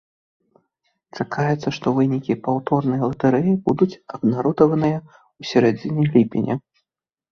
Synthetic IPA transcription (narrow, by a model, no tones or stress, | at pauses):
t͡ʂakʰajʲɛt̪sːɐʂt̪ɔvɨnʲikʲipawt̪ɔrnɐjɐlˠɐt̪ɐɾɛjibud̪ut͡sʲɐbnaɾɔd̪ɐvɐnɨjɐ | usʲaɾɛd͡zʲinʲɐjlʲipʲḭnʲɛ̰